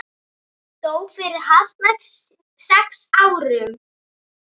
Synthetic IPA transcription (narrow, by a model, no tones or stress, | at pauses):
t̪oːwfɪɾɪɾ̥haðmɛt̪s | sɛksaːwɾʏm